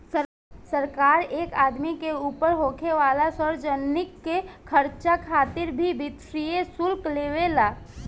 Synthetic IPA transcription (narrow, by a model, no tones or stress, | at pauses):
sə | səɾkaːɾeːkaːd̪mikeuːpəɾɦoːkʰeʋaːlasəɾd͡ʒənːɪkːekʰəɾt͡ʃakʰaːt̪ɪɾbʱibɪt̪ɾijesʊlkleːʋelaː